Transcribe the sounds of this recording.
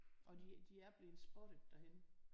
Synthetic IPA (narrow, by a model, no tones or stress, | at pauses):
ʔɒ̽did̥iæɐb̥le̝ːð̩ˠsb̥ɔɾ̥ə̥d̥æhen